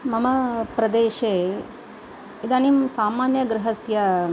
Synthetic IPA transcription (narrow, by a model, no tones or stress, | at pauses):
mɐmɐpɾɐd̪eːʃeː | id̪aːnimsaːmaːnjɐɡɾɪɦɐsjɐ